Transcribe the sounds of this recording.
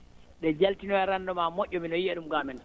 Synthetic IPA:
ɗɛd͡ʒaltinɔɛɾandɔmamoʔʲːɔminɔjiaɗumɡamɛn

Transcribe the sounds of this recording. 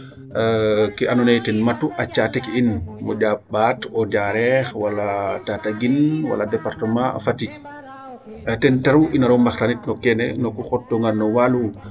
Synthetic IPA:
kianɔnɛjtɛnmatuʔat͡ʃatɛkiinmɔd͡ʒabatɔd͡ʒaɾɛxwalatataɡinwa̰ladɛpaɾtəmã̰fati | tɛntaɾuʔinaɾɔmaxtanitnɔkɛnɛ̰nɔkuxɔtːɔŋɡannɔwalu

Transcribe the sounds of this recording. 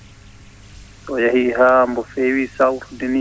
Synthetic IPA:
tɔjahiɦaːmbɔfeːwisawɾdini

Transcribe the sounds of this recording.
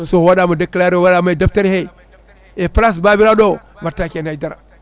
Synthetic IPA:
sowaɗamadaklaɾowaɗamadaftaɾhe | eplas̬babiɾado | vaɾtakenaidaɾa̰

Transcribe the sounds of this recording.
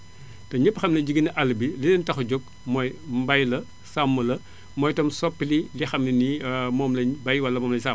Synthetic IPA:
tɐɲəpːxɐmnɐɟiɡiniʔɐlːɐbilinɐntɐxɔɟɔk̚ | mɔːjmbɐjlɐ | samːɐlɐ | mɔːjtɐmsɔpːililixɐmlinimɔːmlɐɲbɐjwɐlːɐmɔːmlɐɲsam

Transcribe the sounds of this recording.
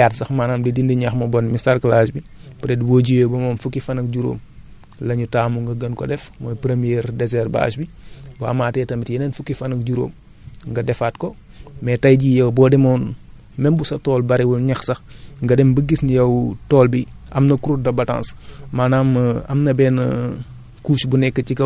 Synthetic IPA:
jaːtsɐxmaːnaːmdidindiɲaxmɐbɔnmistaɾklasbipɾɛdbɔɟijɛbɔmɐmfukːifɐnɐk̚ɟuɾo̰ːm | lɐɲutaːmuŋɡɐɡɐnkɔ̰dɛfmɔjpɾemijɛːɾdɛzɛrba̰ːsbi | ba̰ːmaːtɛtɐmitjɐnɛnfukːifɐnɐk̚ɟuɾo̰ːm | ŋɡɐdɛfaːtkɔ | mɛtɐjɟijɐwbɔːdɛmɔːn | mɛmbusɐtɔːlbɐɾiwulɲɐxsɐxŋɡɐdɛmbəɡisnijɐwtɔːlbiʔɐmnɐkuɾut̚dɐbɐtã̰ːnsmaːnaːmɐ̰mnɐbɛːnɐ̰ | kuːʃbunɛkːəcikɐ

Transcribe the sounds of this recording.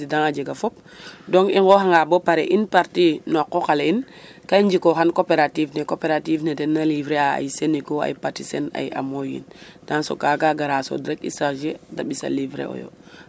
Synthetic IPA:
idaŋad͡ʒeɡafop̚doŋɡiŋɡoɦaŋɡabopaɾeʔinpaɾtinɔkːokaleinkaɲd͡ʒikoxankopeɾativnekopeɾatiːvnedenːalivɾeaa̰jsenikoa̰jpatisena̰ja̰mojḭnd̥aŋso̰kaɡaɡaɾaso̰dɾekḭsaʒeda̰ɓisa̰livɾḛo̰jo̰

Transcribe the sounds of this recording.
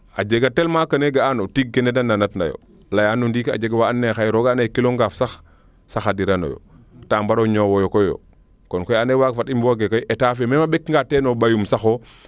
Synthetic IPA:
ad͡ʒeɡatelmakɐneɡaanotik̚ɡenedanːanatna̰jo̰ | lajaːnundiːka̰d͡ʒeɡwaanːexajɾoɡaːnajkiloŋɡaːfsax | saxadiɾano̰jo̰ | taːmbaɾoɲowɔjokojjo̰ | kɔnkɔjanewaːɡfatimbuwaɡekojʔetaːfememabekŋɡatenobajumsaxo

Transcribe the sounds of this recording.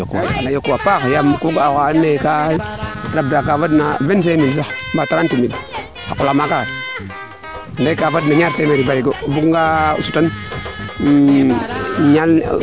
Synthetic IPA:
a̰lajokːuwapakjamkuɡaakaanːeka | ɾab̚dakavadnavenfemils̬ambataɾantimid | akulamakaa | ndakavadnaɲaɾsemeɾibaɾiɡobukŋɡasutan | ɲal

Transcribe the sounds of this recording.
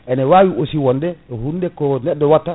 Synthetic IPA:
ʔɛnɛwaːwiʔosiwɔndɛɛhundɛkɔnɛɗːɔwatːa

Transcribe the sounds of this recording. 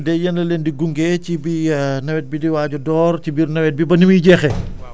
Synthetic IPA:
dɛjɐnlɐleːndiɡuŋɡɛcibinɐwɛt̚bidiwaːɟɔdɔːrcibirnɐwɛt̚bibɐnimiɟɛːxɛ

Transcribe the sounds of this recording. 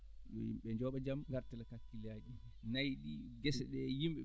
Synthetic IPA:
jɔ̰jḭmɓɛɲd͡ʒɔːɓad͡ʒamɡaɾtɛlakakːilaːd͡ʒi | najɗiɡɛsɛɗɛjimɓɛ

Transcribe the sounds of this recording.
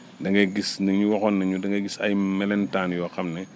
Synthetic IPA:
dɐŋɡɛɡisnɐŋɲuwɔxɔnːɐɲudɐŋɡɛɡisɐ̰jmɛlɛntaːnjɔːxɐmnɛ

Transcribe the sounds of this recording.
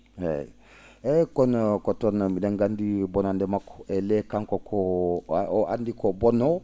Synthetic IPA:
ḛ | ekonkotonmidaŋɡandibonandemako̥elekaŋkokʰo | a̰ndikobono

